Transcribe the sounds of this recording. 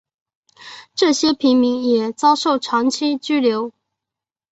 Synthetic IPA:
ʈ͡ʂɤ˥˩ɕjɛ˥pʰi˧˥ŋmi˧˥ŋjɛ˨˩t͡sɑ˥ʊʂo˥˩ʊʈ͡ʂʰɑ˧˥ŋt͡ɕʰi˥t͡ɕy˥ljo˧˥ʊ

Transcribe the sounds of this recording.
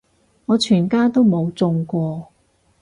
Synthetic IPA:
ŋɔː˨˧t͡ʃʰyː˨˩nkaː˥t̪o˥wmo˨˧wt͡sʊ˧ŋkʷɔː˧

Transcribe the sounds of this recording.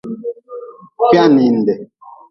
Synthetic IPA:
kja˦˨ni˨n̩˨dɛ˨

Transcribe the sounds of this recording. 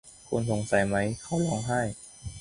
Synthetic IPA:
kʰu˧nso˨˩ŋsa˨˩˦jma˦˥jkʰa˦˥wlɔː˦˥ŋɦa˥˩j

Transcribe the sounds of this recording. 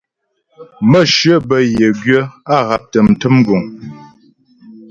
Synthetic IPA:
mə˦˨ʃɥɰə˦bə˨je˨ɡɥə˦a˦ɣa˨p̚tə˨m̩˨tə˦m˦ɡu˨ŋ

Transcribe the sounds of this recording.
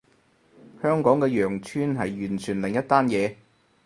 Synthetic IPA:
hœː˥ŋkɔː˨˥ŋkɛː˧jœː˨˩ŋt͡ʃʰyː˥nɦɐ˨jɥyː˨˩nt͡ʃʰyː˨˩nlɪ˨˩ŋjɐ˥t̪aː˥njɛː˨˧

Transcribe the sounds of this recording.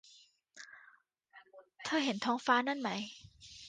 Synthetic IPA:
t̪ʰɤː˧˥˩ɦe˨˩˦nt̪ʰɔː˦˥ŋfaː˧˥na˥˩˨nma˦˥j

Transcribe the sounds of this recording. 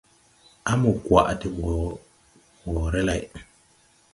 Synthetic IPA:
a˦mu˨kwa̰˨ʔti˨ɓo˨ | ɓo˨ɾe˦la˨j

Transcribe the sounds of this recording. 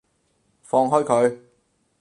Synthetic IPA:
fɔː˧ŋɦɔː˥jkʰɵ˨˧ɥ

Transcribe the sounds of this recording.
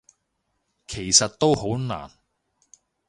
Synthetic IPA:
kʰe˨˩jsɐ˨t̚t̪o˥who˨˥wna̰ː˨˩n

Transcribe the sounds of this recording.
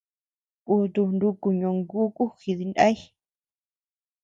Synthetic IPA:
ku˧t̪u˧nɾu˧ku˧ɲõ˧ŋɡu˦kʼu˦xi˧ði˧nda̰˦i˦

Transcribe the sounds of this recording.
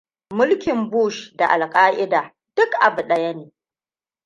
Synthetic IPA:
mʊ˦lkʲɪ˨mbuː˦˨ʃda˨ʔa˨lkʼaː˦ʔɪ˦daː˨ | d̥ʊ˦kʔa˨bʊ˨ɗɐ˦jɐ˦neː˨

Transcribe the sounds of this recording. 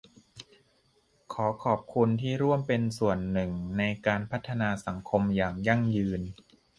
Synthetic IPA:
kʰɔː˩˦kʰɔː˨˩p̚kʰu˧nt̪ʰiː˥˩ɾu˥˩əmpe˧nsu˨˩ənːɯ˨˩ŋna˧jkaː˧npʰa˦˥t̪ʰːa˧naː˧sa˩˦ŋkʰo˧mjaː˨˩ŋja˥˩ŋjɯː˧n

